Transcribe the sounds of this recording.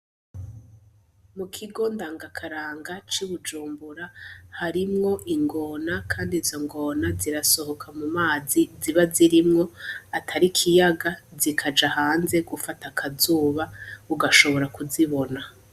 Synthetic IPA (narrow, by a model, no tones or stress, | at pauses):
mukʰiɡo̞ndaːŋɡakʰaɾaːŋɡat͡ʃiβud͡ʒuːmbuɾahaɾimŋo̞ʔiŋɡo̞ːnakʰaːndizo̞ŋɡo̞naziɾaso̞ho̞kʰamumaːziziβaziɾimŋo̞atʰaɾikʰijaɡazikʰad͡ʒahaːnze̞ɡufatakʰazuːβauɡaʃo̞βo̞ɾakuziβo̞na